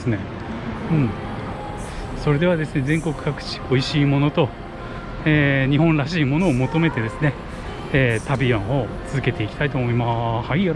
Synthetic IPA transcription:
sɨne | ɯ̟̃ɴ | so̞ɾe̞d̪e̞βad̪e̞sɨne̞zẽ̞ŋko̞kɯ̟̥kakɯ̟̥t͡ɕi̥oiɕiːmo̞no̞t̪o̞ | eːɲ̟ihõ̞nɾaɕiːmo̞no̞ːmo̞t̪o̞me̞t̪e̞d̪e̞sɨne̞ː | t̪abʲiõɰ̃o̞t͡sɨzɨke̞t̪e̞ikʲi̥t̪ait̪o̞ːmo̞imahaia

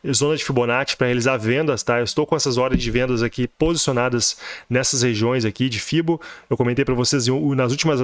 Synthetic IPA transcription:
ɛzõnɐd͡ʒɪfibonat͡ʃɪ̥pɾɐhealizaɾvẽnd̪ɐst̪aewɪst̪owkõɛsɐzɔɾd̪ẽzd͡ʒɪvẽnd̪ɐzakipozisionad̪ɐsnɛsɐsheʒiõj̃zakid͡ʒɪfibʊewkõmẽnt̪ejpɾɐvosez̃nɐzuwt͡ʃimɐ

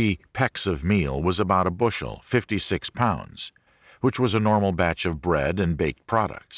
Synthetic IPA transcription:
ipʰɛksʌvmilˠwʌzəbaʊɾəbʊʃl̩ˠfɪftisɪkspʰãʊ̃ndz̥ | wət͡ʃwʌzənɔɹml̩ˠbæt͡ʃʌvbɹɛɾɨ̃nbeɪk̚pʰɹ̥ɑɾɨ̰k̚ts

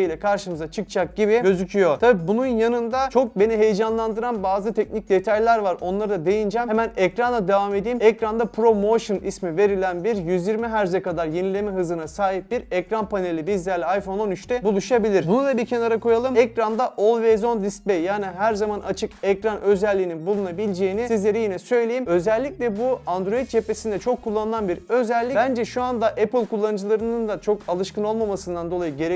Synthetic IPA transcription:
ijlʲɛkʰaɾʃɯmɯzat͡ʃʰɯk̚t͡ʃʰak̚ɟibiɟø̞zycʰyjo̞t̪ʰabibununjanɯnd̪at͡ʃʰo̞k̚be̞niɦe̞jed͡ʒanlˠand̪ɯɾanbaːzɯt̪ʰɛc̚nic̚d̪e̞t̪ʰajlʲæɾvaɾo̞nlˠaɾɯd̪ad̪e̞jind͡ʒɛmemænɛcɾanˠad̪evame̞d̪iːmɛcɾand̪apʰɾo̞mo̞ʃɯnismive̞ɾilʲænbiɾjyzjiɾmiɦæɾzɛkad̪aɾje̞nilʲe̞mɛɦɯzɯnasaːɦip̚biɾɛcɾanpʰane̞lʲibizlʲæɾlʲɛajfo̞no̞nyt͡ʃt̪ʰɛbulˠuʃabilʲiɾbunud̪ˠabicʰenaɾakʰo̞jalˠɯmɛcɾand̪aʔo̞lˠvezo̞nd̪is̚bejjaːniɦæɾzamanʔat͡ʃʰɯkɛcɾanʔø̞zɛlʲːiːninbulˠunabilʲd͡ʒe̞jinisizlʲe̞ɾijinɛsø̞jlʲejimø̞zɛlʲːicʲlʲɛbuand̪ɾo̞it̪̚t͡ʃʰe̞pʰe̞sind̪ɛt͡ʃʰo̞kʰːulˠːanɯlˠanbiɾø̞zɛlʲːibænd͡ʒɛʃuand̪aʔɛpɯlʲˠkʰulˠːanɯd͡ʒɯlˠaɾɯnɯnd̪at͡ʃʰo̞kalˠɯʃkɯno̞lˠmamasɯnd̪and̪o̞lˠajɯɟe̞ɾe

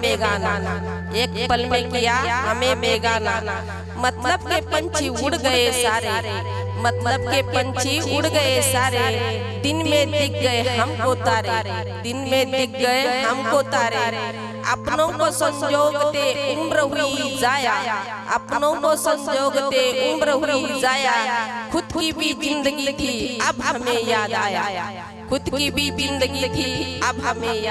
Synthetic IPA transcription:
beɡaːna | eːkbəlmẽkijaɦəmemeːɡaːnaːn | mət̪ləbkepənt͡ʃʰiʊɽɡəesaːɾeɾe | mət̪lətb̚kekənt͡ʃʰiʊɽɡəesaːɾe | d̪ɪnmẽd̪ɪk̚ɡəeɦəmkot̪aːɾeɾ | d̪ɪnmẽd̪ik̚ɡəeɦəmkot̪aːɾe | a̰pnõkosəmd͡ʒoɡt̪eumbɾəɦuid͡zaja | ə̰pnõkosəmd͡ʒoɡt̪eumbɾəɦuid͡ʒajakʰʊd̪kibʱid͡zɪ̃nd̪əɡik̪iabɦmejad̪ajaa | kʰʊd̪kibʱid͡ʒɪ̃nd̪əɡit̪iabəmeja

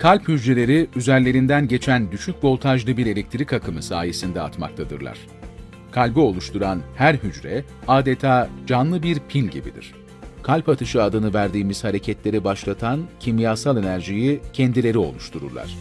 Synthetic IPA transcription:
kʰalʲphyd͡ʒɾelʲe̞ɾiyzæɾlʲe̞ɾind̪ænɟe̞t͡ʃʰænd̪yʃyc̚bo̞lˠt̪ʰaʒlˠɯbiɾe̞lʲɛc̚t̪ʰiɾikakʰɯmɯsaːje̞sind̪ɛa̰t̪ma̰k̚t̪ʰad̪ɯ̰ɾlˠa̰ɾ̥ | kʰalʲbio̞lˠuʃt̪ʰuɾanhæɾɦyd͡ʒɾɛ | aːd̪e̞t̪ʰaːd͡ʒanlˠɯbiɾpʰilʲɟḭbḭd̪ḭɾ̥ | kʰalʲpat̪ʰɯʃɯad̪ɯnɯvæɾd̪iːmiz̥haɾe̞cʰɛt̪lʲe̞ɾibaʃlˠat̪ʰancʰimjaːsalˠe̞næɾʒijicʰɛnd̪ilʲe̞ɾio̞̰lˠuʃt̪ʰuɾṵɾlˠa̰ɾ̝̥

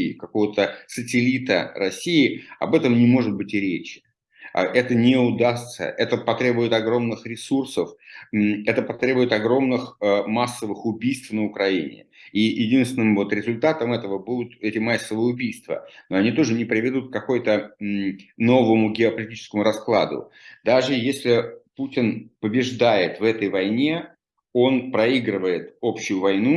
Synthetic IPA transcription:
ɪkɐko̞vət̪əsətʲɪlʲit̪ə̰ɾɐsʲːijɪɐ̰bɛt̪əmnʲɪmo̞ʐɨd̪̚bɨtʲɪɾʲet͡ɕɪ̰ | ʔɛt̪ənʲɪʊd̪ast̪sə̰ʔɛt̪əpɐt̪ɾʲebʊjɪt̪ɐɡɾo̞mnɨxɾʲɪsursəf | ɛt̪əpɐt̪ɾʲe̞bʊjɪt̪ɐɡɾo̞mnɨxəmasːəvɨxʊbʲijst̪fnəʊkɾɐinʲɪ̰ijɪdʲinst̪ʲɪnɨmvo̞t̪ɾʲɪzʊlʲt̪at̪əmɛt̪əvəbud̪ʊt̪ɛtʲɪmasːəvəʊbʲijst̪və̰no̞ɐnʲit̪o̞ʐɨnʲɪpɾʲɪvʲɪd̪ut̪̚kkɐko̞jʊt̪ə | no̞vəmʊɡʲɪɐpəlʲɪtʲit͡ɕɪskəmʊɾɐsklˠa̰d̪ʊ̰ | d̪aʐɨjesʲlʲɪputʲɪnpəbʲɪʐd̪ajɪt̪vɛt̪əjvɐjnʲe̞ | o̞npɾɐiɡɾɨvəjɪt̪o̞pɕːʊjʊvɐjnu

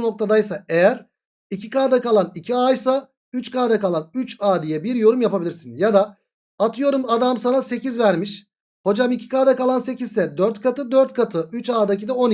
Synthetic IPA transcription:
no̞k̚t̪ʰad̪ajsaejæɾ | icʰikaːd̪akalˠanicʰiajsa | yt͡ʃkaːd̪akalˠanyt͡ʃaːd̪ijɛbiɾjo̞ɾumjapabilʲiɾsinjad̪aː | t̪ʰɯjo̞ɾumad̪amsanase̞cizvæɾmiʃ | ho̞d͡ʒamicʰi̥kaːd̪akalˠanse̞cizsɛd̪øɾt̪kʰat̪ɯd̪øɾt̪̚kʰat̪ʰɯyt͡ʃaːd̪ac̬ʰid̪ɛo̞n

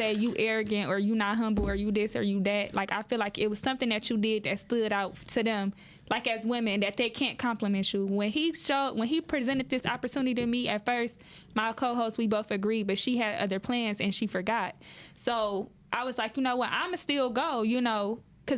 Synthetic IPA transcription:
seɪjɨʔɛɹɨɡɨ̃ntə˞jɨnət̚ɦʌ̃mbl̩ˠə˞jɨðɪsə̰˞jɨðæt̚la̰ɪka̰ɪfilaɪkɪt̚wʌz̥sʌ̃mθɪ̃ŋðɨt͡ʃɨdɪd̪̚ðɨtstʊɾaʊtʰɨðɨ̃m | laɪkɨzwɪ̃mɨ̃nðɨt̪̚ðeɪkʰæ̃nkʰɑ̃mplɨmɛ̃nt͡ʃʉwɨ̃niʃoʊdwə̃nipʰɹ̥izɛ̃ɾ̃ɨd̪̚ðɪsɑ̰pə˞tʰʉ̃nɨɾiɾɨmiʔɨtfɜ˞st | maɪkʰoʊɦoʊst̚wiboʊθɨɡɹibʌtʃiɨɾʌ̰ðə˞pʰl̥æ̃nzɨ̃nʃifə˞ɡɑt̚soʊ | ʔaɪwʌzlaɪkjɨnoʊwʌɾʔã̰ɪ̃mɨstɪlˠɡoʊjɨnoʊ | kʰʌ

